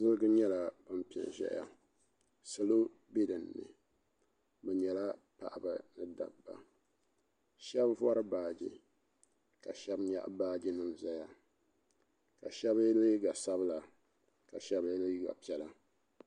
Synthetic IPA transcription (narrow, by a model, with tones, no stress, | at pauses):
zɨ˦ɡɨ˦ɲɛ˦la˨bɨ˦m˦pi˨ɛ̰˨n˨ʒɛ̰˦ʔa̰˨ | so˨lo˦ | bi˦dɨ˨nːɨ̰˨ | bɛ˨ɲɛ˨la˦ | pa̰˨ʔba˨nɨ˦da̰˨bːa̰˨ | ʃɛ˦bvɔ˦ɾɨ˦baː˨d͡ʒḭ˨ | ka˨ʃɛ˦bɲa̰˦ʔbaː˦d͡ʒi˦nɨ˦mza˦ja˦ | ka˨ʃɛ˦blɨ˦ɡa˨sa˦bla˨ | ka˨ʃɛ˦bli˦ɡa̰˨pi˨˦ɛ˨la˦